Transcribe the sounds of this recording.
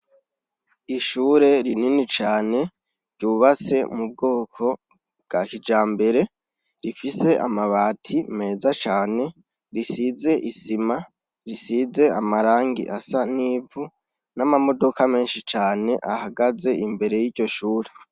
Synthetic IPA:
iʃuːɾe̞ɾininit͡ʃaːne̞ | ɾɟuβat͡se̞mub̚ɡo̞ːkʰo̞ | b̚ɡakid͡ʒaːmbe̞ɾe̞ | ɾifise̞ʔa̰maβaːtʰime̞ːzat͡ʃaːne̞ | ɾisize̞ʔisima | ɾisize̞amaɾaːŋɡḭʔasaniːvu | namamo̞do̞kame̞ːnʃit͡ʃaːne̞ʔahaɡaze̞imbe̞ɾe̞jiːɟo̞ʃuːɾe̞

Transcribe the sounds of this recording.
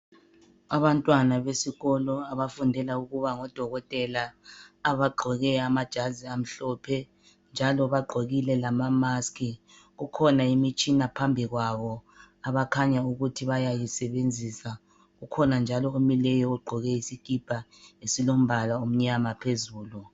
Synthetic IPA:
aβantʼwanaβesiɣɔlɔaβafundʱɛlauɣuβaŋɔd̥ʱɔɣɔtʼɛlaː | βaɡ͡ǃʱɔɣɛamad̥ʒ̥ʱaziam̩ɬɔpʰɛ | nd͡ʒʱalɔβaɡ͡ǃʱoɣilɛlamamaskʰi | ɣukʰɔnaimit͡ʃʼinapʰambʱiɣwaβɔ | aβakʰaɲauɣutʰiβajajisɛβend͡zʱisa | ɣukʰɔnand͡ʒʱalɔomilɛjɔuɡ͡ǃʱɔɣɛisikʼib̥ʱaesilom̩bʱalaom̩ɲamapʰezuːlu

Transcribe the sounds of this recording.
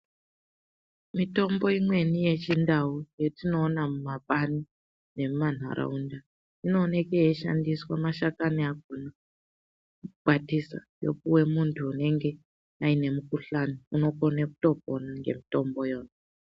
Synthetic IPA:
mito̞mbo̞imwe̞nije̞t͡ʃindaujetino̞ːnamumapani | ne̞muman̤a̰ɾa̰unda | ino̞ːne̞kejeʃa̰ndiswamaʃakaniak̚ona | ukuɓatisa̰jo̞̰k̚uwe̞muntʰuːne̞ŋɡe̞ | aine̞mukuɬaniuno̞ko̞nekuto̞p̚onaŋɡe̞̰mito̞mbo̞jo̞ːna

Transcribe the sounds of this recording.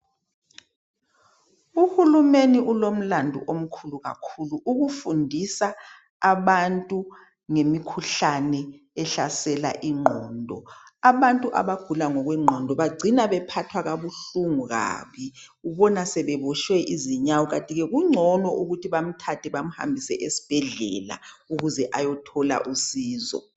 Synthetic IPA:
uhulumeniʔulom̩landʱṵʔom̩kʰuluɣa̰kʰuluʔuɣufundʱisaː | βantʼu | ŋemikʰuɬanɛ | ɛɬasɛla̰ʔiŋ͡ǃʱɔːndʱɔaβantʼuʔa̰βaɡ̥ʱulaŋɔɣwɛŋ͡ǃʱɔndʱɔβaɡ͡ǀʱinaβɛpʰatʰwaɣaβuɬuŋuɣa̰ːmɛ | uβɔnasɛβɛβɔʃwɛʔiziɲawɔɣatʼiɣɛɣuŋ͡ǀʱɔnɔʔuɣutʰiβam̩tʰatʰɛβam̩ha̰mbʱisɛʔesi̥b̥ʱɛɮɛ̰la̰ | uɣuzɛʔajɔtʰɔla̰ʔusiːzɔ̰

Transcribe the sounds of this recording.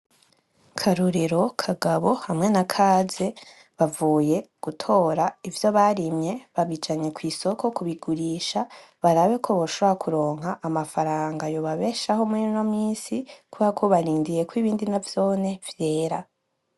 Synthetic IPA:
kʰaɾuɾeɾo̞kʰaɡaβo̞hamŋe̞nakʰaːze̞ | βavuːje̞ɡ̥utʰo̞ːɾaivjo̞βaɾimɲe̞βaβid͡ʒaɲe̞kwiːso̞kʰo̞kuβiɡuɾiːʃa | βaɾaβe̞kʰo̞βoʃoβoɾakʰuɾo̞ːŋ̥ɦaʔːmafaɾaːŋɡajoβaβe̞ːʃaho̞muinamiːsikuβakʰo̞βaɾiːndije̞kwiβiːndinavjo̞ːne̞v̥je̞ːɾa

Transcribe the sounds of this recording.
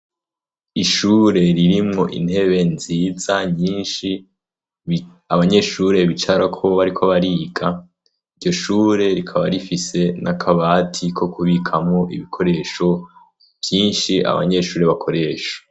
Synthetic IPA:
iʃuːɾe̞ɾiɾimŋo̞ʔḭn̥he̞βe̞nziːzaɲiːnʃi | aβaɲe̞ʃuːɾe̞βit͡ʃaɾakʰo̞βaɾikʰoβaɾiːɡa | iɾɟo̞ʃuːɾe̞ɾikʰaβaɾifise̞nʔakʰaβaːtʰikʰo̞kʰuβikʰamŋo̞ʔiβikʰo̞ɾe̞ːʃo̞ | v̥jiːnʃiʔa̰βa̰ɲe̞ʃuːɾe̞βakʰo̞ɾe̞ːʃo̥

